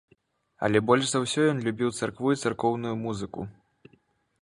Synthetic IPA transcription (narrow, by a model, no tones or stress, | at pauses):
ɐ̰lʲɛbɔlʲʂzawsʲɔjɔnlʲubʲiwt̪sarkvujit̪sarkɔwnujumuzɨkṵ